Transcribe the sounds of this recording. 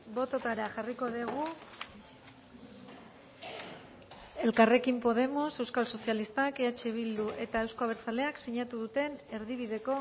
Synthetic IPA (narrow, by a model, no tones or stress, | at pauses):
bo̞t̪o̞t̪aɾaʝariko̞ðeɣu | e̞lkare̞kimpo̞ð̞e̞mo̞se̞wskalso̞sjalist̪akeat͡ʃe̞β̞ild̪uʔe̞t̪aewsko̞aβ̞et͡sale̞aksiɲat̪uðut̪e̞ne̞ɾðiβiðe̞ko̞